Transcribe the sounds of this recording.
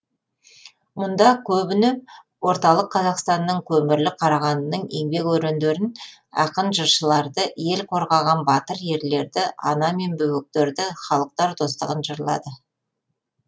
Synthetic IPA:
mʊnd̪ɑkʲʰɵbɪnep | wo̞ɾt̪ɑlˠəqʰːɑzɑqst̪ɑnːəɴkʲʰɵmɪɾlɪqʰɑɾɑʁɑnənəɴe̞ŋbe̞kwɵɾend̪eɾɪn | ɑ̰qənʒəɾʃəlˠɑɾd̪əje̞lqʰo̞ɾʁɑʁɑnbɑt̪əɾje̞ɾle̞ɾd̪ɪʔɑnɑme̞nbɵwɪk̚t̪eɾd̪ɪχɑlˠəq̚t̪ɑɾd̪o̞st̪ə̰ʁənʒəɾlˠɑ̰d̪ə

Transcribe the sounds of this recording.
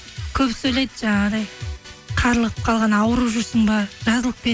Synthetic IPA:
kʲʰɵpsɵjlejd̪əʒɑɴɑd̪ɑjqʰɑɾəlˠəʁəp̚qʰɑlˠʁɑnɑwəɾuʒʊɾsəɴbɑɾʒ̥ɑzəlˠəp̚pe

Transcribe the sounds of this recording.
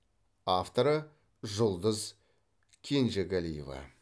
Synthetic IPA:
aft̪o̞ɾə | ʒʊlˠd̪əz | kʲʰenʒeɡælijeva̰

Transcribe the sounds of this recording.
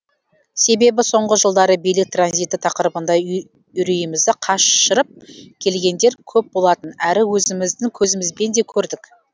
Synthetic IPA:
se̞be̞bɪso̞ɴʁəʒəlˠd̪ɑɾəbijlɪk̚t̪ranzijt̪ːɪt̪ʰɑqəɾəbənd̪ɑ | ʏɾijɪmɪzd̪ɪqʰɑʃʃəɾəp̚kʲʰe̞lɡʲe̞nd̪e̞ɾkʲʰɵp̚bo̞lˠɑt̪ənæɾɪwɵzɪmɪzd̪ɪŋkʲʰɵzɪmɪzbe̞nd̪ekʲʰɵɾd̪ɪk

